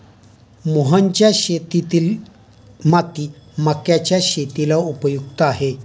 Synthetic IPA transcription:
muɦənt͡ɕjaɕet̪it̪il | mat̪imakjat͡ɕjaɕet̪ilaupəjuk̚t̪aaɦe

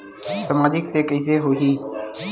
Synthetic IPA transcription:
səmaːd͡ʒɪkseːkəɪseːɦoːɦiː

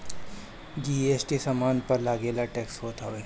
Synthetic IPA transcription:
d͡ʒiːeːsʈisɐmaːnpɐɾlaːɡeːlaʈɛːksɦoːt̪aʋeː

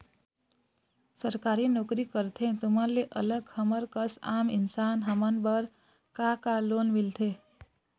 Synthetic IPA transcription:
səɾkaːɾinokɾikəɾt̪ʰẽt̪uməɾleʔə̰ləɡhəməɾkəsaːmɪnsaːnɦəmənbəɾ | kakaloːnmilt̪ʰe

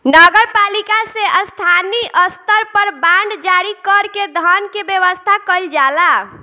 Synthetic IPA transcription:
nəɡəɾpalikaseʔəst̪ʰaniʔəst̪əɾpəɾbãɳɖd͡ʒaɾikəɾked̪ʱənkebjəʋəst̪ʰakəld͡ʒala

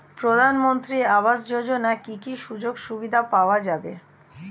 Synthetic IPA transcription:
pɾod̪ʱanmont̪ɾiaβasd͡ʑod͡ʑonakikiʃud͡ʑoɡʃubid̪ʱapaoad͡ʑabe

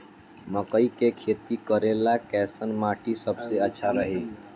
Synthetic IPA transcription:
məkəikekʰeːt̪ikəɾelakɛːsənmaːʈisəbseətːʃʰaɾəɦeː

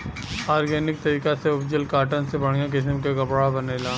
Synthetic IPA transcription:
aːɾɡeːnɪk̚t̪ɐɾiːkaseʊpd͡ʒəlkaːʈənsebɐɽ̤̃ijãk̬ɪs̬əmkeɡɐbɽabɐneːlãː

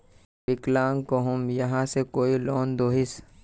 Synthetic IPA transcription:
bɪklaːŋkoɦʊmjɐɦãsekoːiloːnd̪oːɦɪs

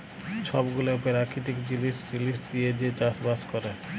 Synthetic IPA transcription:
ʃɔbɡuloupeɾakʰit̪ikd͡ʑilisɾilisd̪ijed͡ʑet͡ɕaʃbaskɔɾe

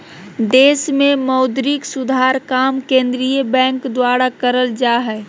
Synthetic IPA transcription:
d̪eːsmeməʊd̪ɾiksud̪ʱaɾkamkẽnd̪ɾijəbɛ̃ŋkd̪waɾakəɾəld͡ʒaɦɛ

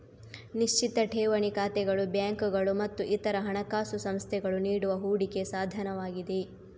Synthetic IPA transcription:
niʃt͡ʃit̪ɐʈʰeːʋɐɳikaːt̪ɛɡɐɭubjaːŋkuɡɐɭumɐt̪ːuʔit̪ɐɾɐɦɐɳɐkaːsusɐmst̪ʰɛɡɐɭuniːɽuʋɐɦuːɽike̞saːd̪ʱɐnɐʋaːɡid̪e

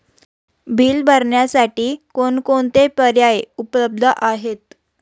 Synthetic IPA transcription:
bʱiːlbʱəɾɳjasaʈiːkonkoɳt̪epəɾjajupləb̚d̪ʱəʔaɦet̪

